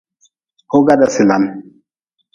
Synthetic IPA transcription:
ho˦ɡa˦da˨si˨la˨n

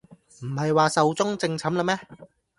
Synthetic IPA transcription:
m̩˨˩hɐ˨jwaː˨˧sɐ˨wt͡sʊ˥ŋt͡sɪ˧ŋt͡sʰɐ˨˥mlɐ˧mɛː˥

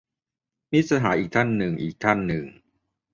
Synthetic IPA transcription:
mi˦˥t̪̚sa˧ɦaː˩˦ʔiː˨˩k̚t̪ʰa˥˩nːɯ˨˩ŋʔiː˨˩k̚t̪ʰa˥˩nːɯ˨˩ŋ

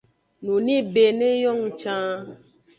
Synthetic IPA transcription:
nũ˨nĩ˦be˨nẽ˦jɔ˦ŋũ˦t͡ʃã˦

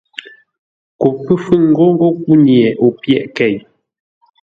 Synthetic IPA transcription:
ku˨pːɨ˦fʉ˦˨ŋ̩˦ɡo˦ŋ̩˦ɡo˦ku˦njɛ˨ʔo˨pjɛ̰˦˨ʔkɛ˦˨j

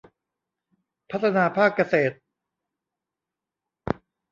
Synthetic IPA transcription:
pʰa˦˥t̪ʰːa˧naː˧pʰaː˥˩kːa˧seː˨˩t̪̚

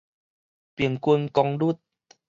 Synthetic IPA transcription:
pi˨˩əŋkwu˧nkɔ˧ŋdu˦˥˩t̪̚

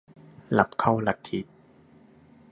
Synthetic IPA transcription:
la˨˦p̚kʰa˥˩wla˨˧˩k̪̚ʰːi˨˦t̪̚

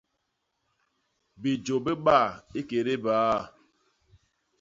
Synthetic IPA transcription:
bi˨d͡ʒo˨be˦ɓa˦˨e˦ke˨ɾe˦baː˨˦˨

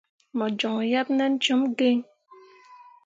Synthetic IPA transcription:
mɔ˨d͡ʒɔ˨ŋ˨ja˦p̚nɛ˦n̩˦t͡ʃo˨˦mɡe˦ɲ

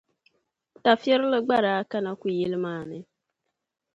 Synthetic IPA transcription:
ta˨fje˦ɾlɪ˦ɡ͡ba˦ɾa˨a˦ka˦na˦kʷi˨je˦lmaː˨nɪ˦

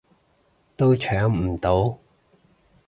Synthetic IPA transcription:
t̪o˥wt͡ʃʰœː˨˥ŋm̩˨˩t̪o˨˥w

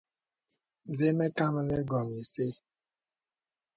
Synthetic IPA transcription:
ve˦me˦ka˦m̩˦le˦ɡɔ˨mi˨se˦

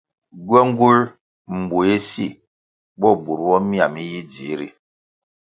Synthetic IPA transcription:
ɡɔ˦ŋ˦ɡu˦l | m̩˨bu˨e˦si˦˨ | bɔ˦˨bu˨ɾwɔ˦mi˦a˨mi˦ji˦d͡ʒi˨˦ɾḭ˨

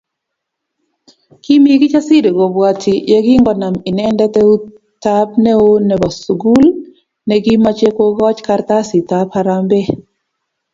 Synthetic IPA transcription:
ki˦mi˦ɡi˦t͡ʃa˦si˦ɾe˨ɡo˨bwa˨tʰi˨je˦ɡi˦ŋɡɔ˦na˨mi˨nɛ˦ndɛ˦tɛ˦u˦ | ta˦pnɛ˦o˦nɛ˨ba˨su˨ɡu˦l | nɛ˨ɡi˦ma˦t͡ʃe˦ko˦ɡɔ˦t͡ʃka˦ɾt̪a˦si˨tapaɾambɛ˦

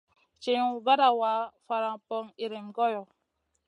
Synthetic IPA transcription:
t͡ʃe˨˦u˦va˦ɾa˨wa˨˦fa˨ɾã˨pɔ˦ŋi˨ɾe˨mɡɔ˦jɔ˨

